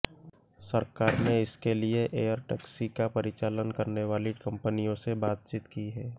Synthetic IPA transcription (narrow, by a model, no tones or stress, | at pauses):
sɐɾkaːɾneɪskelieʔeːjəɾʈɛksikapɐɾɪt͡ʃaːlənkɐɾneʋaːlikɐ̃mpənijõsebaːt̪̚t͡ʃit̪kiɦɛː